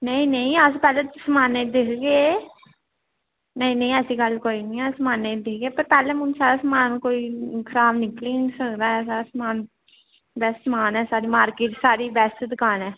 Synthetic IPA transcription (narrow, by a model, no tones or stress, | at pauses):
nəĩːnəĩəspɛːleːsəmaːneːd̪ɪkʰɡeː | nəĩːnə̃ĩɛːsiːɡəlkoːiːnĩːɛsəmaːned̪ɪkʰɡeːpəɾpɛːlẽːmʊ̃nsaːɾaːsəmaːnkoːiːkʰəɾaːbnɪkliːsəkd̪aːsaːɾaːsmaːn | bɛssəmaːnɛːsaːɾiːmaːɾkeːʈsaːɾiːbɛst̪d̪ɪkʰaːnɛː